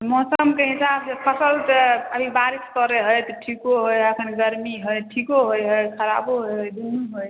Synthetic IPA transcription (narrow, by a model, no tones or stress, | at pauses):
mɔsəmkeɦisabsepʰʌsəlt̪əbʱibaɾiskɔɾeɦəjt̪ɔʈʰikoɦojəkʰənɡəɾmiɦojʈʰikoɦojɦojkʰəɾa̰boɦojd̪unuɦoj